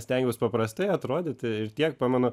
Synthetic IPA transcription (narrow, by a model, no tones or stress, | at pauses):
sʲt̪ʲɛŋʲɡʲʊːspɐpɾɐst̪ɐɪɐt̪ɾoːd̪ʲɪt̪ɪɾt̪ʲiɛkpɑːmʲɛnʊ